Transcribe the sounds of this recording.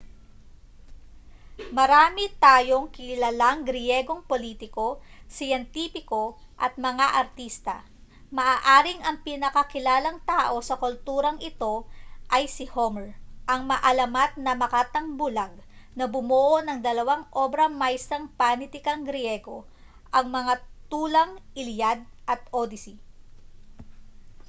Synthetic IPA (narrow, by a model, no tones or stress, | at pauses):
mɐɾaːmɪt̪aːjo̞ŋkɪlalaŋɡɾɪjɛɡo̞ŋpo̞liːt̪ɪko̞sɪjɛnt̪iːpɪko̞ | ʔɐt̪̚mɐŋaʔɐɾt̪ist̪ɐ̰ | mɐʔaːʔaːɾɪŋɐŋpɪnɐkɐkɪlaːlɐŋt̪aːʔo̞sɐkʊlt̪uːɾɐŋʔɪt̪o̞ʔɐjsɪhomɛɹʔɐŋmɐʔɐlɐmat̪̚nɐmɐkaːt̪ɐŋbʊlaɡ̚ | nɐbʊmoʔoʔnɐŋd̪ɐlɐwaŋʔo̞bɾɐmajsɐŋpanɪt̪ɪkɐŋɡɾjɛɡo̞ | ʔɐŋmɐŋat̪uːlɐŋʔɪljad̪̚ʔɐt̪̚ʔod̪ɪsi